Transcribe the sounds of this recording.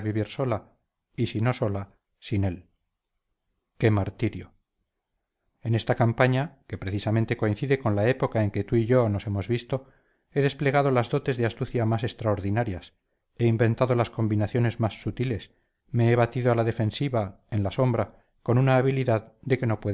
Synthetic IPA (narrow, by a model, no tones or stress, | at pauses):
βiβiɾso̞la | isino̞so̞la | sine̞l | ke̞maɾt̪iɾjo | e̞ne̞st̪akampaɲake̞pɾe̞θisamẽnt̪e̞ko̞inθiðe̞ko̞nlae̞po̞kae̞ŋke̞t̪uiʝo̞no̞se̞mo̞zβist̪o̞ | e̞ðe̞sple̞ɣað̞o̞lazðo̞t̪e̞zðeast̪uθjamase̞kst̪ɾaoɾðinaɾjas | e̞imbe̞nt̪aðo̞lasko̞mbinaθjo̞ne̞zmasːut̪ile̞s | me̞eβat̪iðoalaðe̞fe̞nsiβa | e̞nlaso̞mbɾa | ko̞nunaːβiliðaðd̪e̞ke̞no̞pwe